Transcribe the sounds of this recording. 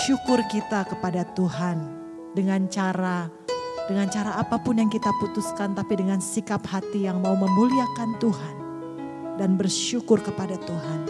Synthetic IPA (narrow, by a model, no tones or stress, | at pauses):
ʃukʊrkit̪akəpadat̪uɦan | dəŋant͡ʃaɾa | dəŋant͡ʃaɾaʔːpapʊnjaŋkit̪aput̪uskant̪apidəŋansikap̚hat̪ijaŋmauməmuliakant̪uɦan | danbərʃukʊrkəpadat̪uɦan